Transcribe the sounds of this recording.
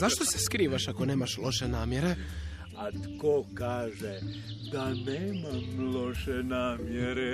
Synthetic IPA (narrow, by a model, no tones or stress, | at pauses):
zaʃt̪ose̥skɾiːʋaʃako̞neːmaʃlo̞ʃenaːmjeɾe | at̪kokaːʒed̪aneːmamloʃenaːmjeɾe